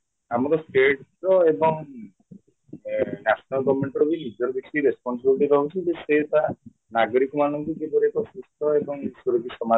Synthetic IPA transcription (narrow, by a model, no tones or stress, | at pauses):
amɔɾɔsʈeʈɾɔebɔŋ | nasʰɔnalɡɔbɔmeɳʈɔɾɔbinid͡ʒɔɾɔbek̚t̪iɾespɔnsibilʈ̬iɾɔɦut͡ʃʰid͡ʒeset̪a | naɡɔɽikɔmanɔŋkukebɔɾekɔsust̪ɔebɔŋsuɾɔɡisɔma